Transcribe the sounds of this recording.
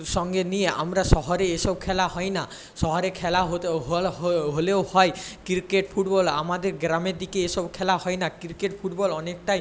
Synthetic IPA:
ʃɔŋɡenijea̰mɾaʃɔɦɔɾeeʃɔb̚kʰɛlaɦɔjna | ʃɔɦɔɾekʰɛlaɦoɦɦoleohɔekiɾkeʈpʰuʈbɔlamad̪eɾɡɾameɾd̪ikeeʃɔbkʰɛlahɔjnakiɾkeʈpʰuʈbɔlɔnekʈaj

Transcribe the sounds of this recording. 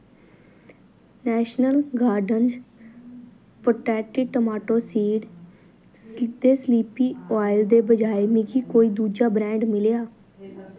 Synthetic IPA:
nɛːʃnəlɡaːɾɖənd͡ʒ | pːʈɛːʈɪʈəmaːʈoːsiːɖ | d̪eːsliːpiːoaːɪld̪eːbəd͡ʒaːeːmɪkiːkoːiːd̪uːd͡ʒaːbɾɛ̃ːɳɖmɪleːaː

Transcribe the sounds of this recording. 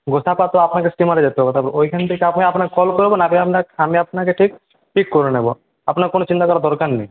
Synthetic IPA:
ɡosapat̪ɔapnakesʈimaɾed͡ʒet̪eɦɔbɔt̪abɾʔoikʰant̪ekeapniapnakekɔlkɔɾbonabiapaamiapnakeʈʰik̚ | ʈikːɔɾunebɔ | a̰pnaɾkonot͡ʃint̪akɔɾad̪ɔɾkanːej

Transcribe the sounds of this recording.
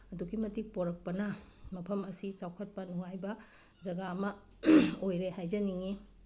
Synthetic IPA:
ɐduɡimɐtik̚poɾɐk̚pɐnɐ | mɐpʰɐmɐsit͡ʃawkʰɐt̚pɐnuŋajbɐ | d͡ʒɐɡaːmɐ | ojɾehajd͡ʒɐniŋi

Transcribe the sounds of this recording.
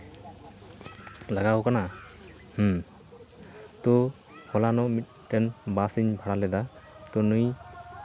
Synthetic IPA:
laɡaɦɔkana | h | t̪ɔ | hɔlanɔmit̪̚ | ʈɛnbasiɲbʱaɽalɛd̪at̪ɔnuj

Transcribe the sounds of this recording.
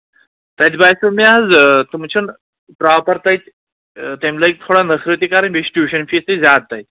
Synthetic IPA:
t̪ajt̪bajsumiaad͡zt̪umt͡ɕʰən | pɾawpəɾt̪ajt̪ | t̪emlaik̚t̪ʰoɽanəsɾɨt̪ikaɾəɳbisʈjuɕənfisid͡zad̪̚t̪ajt̪

